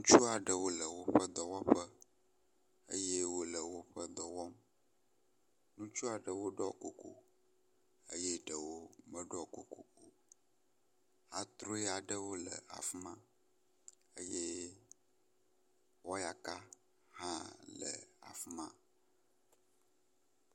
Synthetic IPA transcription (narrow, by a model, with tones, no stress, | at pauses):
nũ˦t͡ʃu˦a˨ɖə˨wo˦lə˨wo˦ɸə˦d̪ɔ˨wɔ˦ɸə˦ | ə̰˦je˦wo˦lə˨wo˦ɸə˦d̪ɔ˨wɔ˦m | nũ˦t͡ʃu˦a˨ɖə˨wo˦ɖɔ˦˨ko˨ko̰˨ | ə̰˦jɛ˦ɖə˨wo˦mə˦ɖɔ˦˨ko˨ko˨o˨ | a˨t̪ɾo˦ɛ˦a˨ɖə˦wo˦lə˨a̰˨fu˦mã˦ | ə˦je˦ | wɔ˦ja˨ka˦ | hã˦lə̰˨a̰˨fu˦mã̰˦